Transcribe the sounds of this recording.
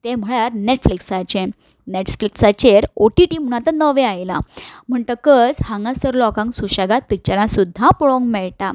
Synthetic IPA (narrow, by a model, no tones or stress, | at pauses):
t̪ɛ̃m̤əɭaɾneʈfliksat͡ɕẽ | neʈsfliksat͡ɕeɾoʈiʈim̤uɽ̃at̪ənəʋeajla̰m̤əɳt̪əkəd͡zhãŋɡãsəɾlɔkãŋksuɕaɡat̪̚pik̚t͡ɕəɾãsud̪ʱːãpuɭõŋɡmɛɭʈa